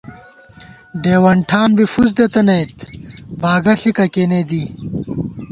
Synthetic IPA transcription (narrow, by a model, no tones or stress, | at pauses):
ɖeːwɐɳʈʰaːnbifuz̬d̪et̪ɐnɐjt̪baːɡɐɬikɐkeːned̪i